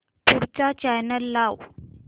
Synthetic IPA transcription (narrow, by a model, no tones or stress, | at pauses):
puɾt͡ɕat͡ɕajnəlːaw